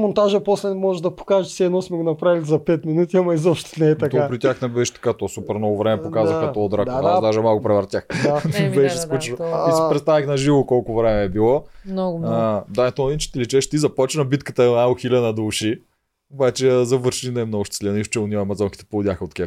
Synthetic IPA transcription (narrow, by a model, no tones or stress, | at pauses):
mont̪aʒəposlɛmɔʒed̪ɐpo̥kaʒəʃsɛɛnɔsmɛɡonɐpɾavilʲizɐpɛt̪minut̪iɐmɐizɔpʃt̪onɛɛt̪d̪ɐk̪apɾit̪ʲaxnɛbɛʃt̪ɐ̥kat̪ɔsupɛɾnɔvovɾɛmɛokazəxɐt̪ɔːd̪ɾak̪d̪aʒɛmalˠkʊpɾɛvɐɾt̪ʲaxnɛbɛʃɛskut͡ʃɛnoisɛpɾɛt̪t̪avixnɐʒivokɔlˠkʊvɾɛmɛːbilˠɔnɔɡd̪anɛt̪onɐd̪int͡ʃɛ̥t̪ɛlɛt͡ʃɛʃt̪izɐpɔt͡ʃnɐbit̪kət̪ənaoxilʲanɐd̪ouʃi | obat͡ʃɛzɐvəɾʃninɐɛmnɔɡʊʃt̪ɛ̥slʲinəift͡ʃɛʊniɐɐmɐzɔnki̥t̪ɛ̥polˠʊd̪jaxəot̪kʲɛ